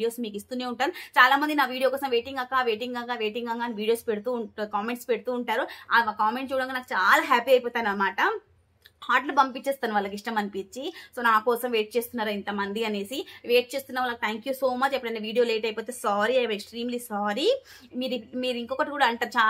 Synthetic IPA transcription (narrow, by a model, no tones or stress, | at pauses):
io̞ːsmiːkist̪uːne̞ːuɳʈaːɾut͡ʃaːlaːmɐnd̪inaːʋiːɽijokɔːsɐmʋe̞ːʈiŋɡakːaːʋeːʈiŋɡaŋɡaːʋe̞ːʈiŋɡaŋɡaːniʋiːɽijo̞ːspeɽut̪uːkaːmeɳʈspeɽut̪uːɳʈaːɾuakaːmeɳʈt͡ʃuːɽɐŋɡkaːnaːkut͡ʃaːlaːɦaːpiɐjpoːt̪aːɐnɐmaːʈɐ | haːʈlubɐmpit͡ʃːeːst̪aːnuʋɐlːɐkiʂʈɐmɐnipiɲt͡ʃisoːnaːkɔːsɐmʋe̞ːʈ̚t͡ʃe̞ːst̪unːaːɾuint̪ɐmɐnd̪iɐne̞ːsiʋeːʈ̚t͡ʃe̞ːst̪unːɐʋɐlːɐkit̪ʰaːŋkjuso̞ːmɐt͡ʃːɐpːɐɽɐnːeʋiːɽijo̞ːleːʈɐjpoːt̪e̞ːsaːɾiɐjeksʈɾiːmliːsaːɾi | miːɾmiːɾiŋkɔːkɐʈikuːɽaɐɳʈaːɾut͡ʃaː